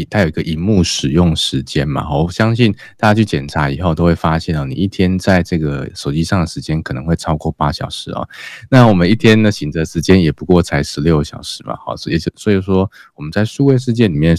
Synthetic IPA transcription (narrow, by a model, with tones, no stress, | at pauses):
t̪ʰa˥jo˨˩i˧˦ɡə˧ʔi˧˥˦mu˥˩ʂɻ̩˨˩jʊ˥˩ŋʂɻ̩˧˦t͡ɕjɛ˦˥nma̰˨˩xɔ˧˩˥ɕjɑ˥ŋɕi˥˩nt̪a˥˩t͡ɕja˥t͡ɕʰy˥˩t͡ɕjɛ˨˩nʈ͡ʂʰa˧˥i˨˩xo˥˧ʊt̪o˥ʊwe˥˩fa˥ɕjɛ˥˩nɔ˨˩nḭ˨˩i˥˩t̪ʰjɛ˥nt͡sa˥˧ɪʈ͡ʂɤ˥˩ɡə˩ʂo˨˩ʊt͡ɕi˥ʂɑ˥˩ŋd̪ə˩ʂɻ̩˧˥t͡ɕjɛ˥nkʰɤ˨˩nɤ˧˦ŋxwe˥˩ɪʈ͡ʂʰɑ˥ʊkwɔ˥˧pa˥ɕjɑ̰˨˩ʊʂɻ̩˧˥˦ɔ̰˨˦na˥˨wɔ˨˩mə˦ni˥˩t̪ʰjɛ˥nd̪ə˨ɕi˨˩ŋd͡zə˧˩ə˧ʂɻ̩˧˥t͡ɕjɛ˥njɛ˨˩pu˧˥kwɔ˥˩t͡sʰa˧˥ɪʂɻ̩˧˥ljo˥˩ʊɕjɑ̰˨˩ʊʂɻ̩˧˦mɐ̰˨˩xɔ̰˩˧jɛ˧˥t͡ɕjo˨˩swɔ˧˥i˨˩ʂwɔ˥wɔ˨˩mə˦nt͡sa˥˩ɪʂu˥˧we˥˧ɪʂ̬ɻ̩˥˧t͡ɕjɛ˥˩nli˨˩mjɛ˥˨˩n